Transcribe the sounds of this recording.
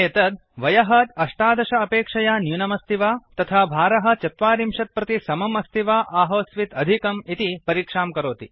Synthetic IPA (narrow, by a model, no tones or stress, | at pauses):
eːt̪ɐd̪̚ | ʋɐjɐɦɐt̪ɐʂʈaːd̪ɐʃɐːpeːkʂɐjaːnjunɐmɐst̪ʰiʋaːt̪ɐt̪ʰaːbʱaːɾɐɦɐ̆t͡ʃɐt̪ʋaːɾimʃɐt̪̚pɾɐt̪isɐmɐmɐst̪ʰiʋaːʔaːɦɐːsʋit̪ɐd̪ʱikɐmit̪ipɐɾiːkʂaːmkɐɾoːt̪i